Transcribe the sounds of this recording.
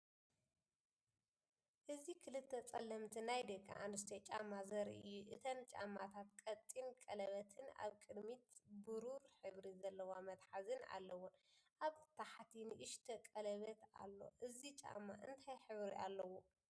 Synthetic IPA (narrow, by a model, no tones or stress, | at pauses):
ʔɨzikʰɨlɨt̪ʰːɐt͡sʼɐlːɐmt̪ʰinajd̪ɐkʰʼːa̰ʔa̰nɨst̪ʰet͡ʃʼamːazɐɾiɨjːuʔɨt̪ʰɐnt͡ʃʼa̰mːat̪ʰat̪̚kʼɐt̪ʼinkʼɐlɐβɐt̪ʰɨna̰βkʼɨd̪mit̪bɨɾuɾħɨβɾizɐlːɐwamɐt̪ħazɨna̰lːɐwʊnʔaβt̪ʰaħt̪ʰinɨʔɨʃt̪ʰɐkʼɐlɐβɐt̪a̰lːo̞̰ʔɨzit͡ʃʼa̰mːa̰ʔɨ̰nt̪ʰajħɨβɾḭʔa̰lːɐwo